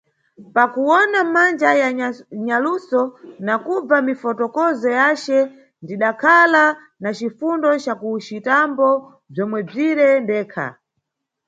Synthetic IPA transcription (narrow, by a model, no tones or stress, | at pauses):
pakuwɔnamand͡ʒajaɲalusɔnakub͡vamifɔtɔkɔzɔjat͡ʃɛ | ndiɗakʰala | nat͡ʃifundɔt͡ʃakut͡ʃitambɔ | b͡ʐɔmwɛb͡ʐiɾɛndɛːkʰa̰